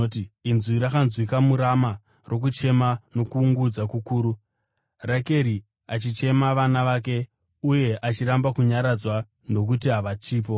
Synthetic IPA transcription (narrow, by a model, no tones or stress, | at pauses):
otiinzwiɾakanzwikamuɾama | rʔo̞k̬ut͡ʃe̞mano̞kuːŋɡud͡zakukuːɾu | rake̞ɾi | at͡ʃit͡ʃe̞maʋanaʋaːk̬e̞ | uje̞ʔat͡ʃiɾambakuɲaɾad͡zwa | no̞k̬utiɦaʋat͡ʃiːp̬o̞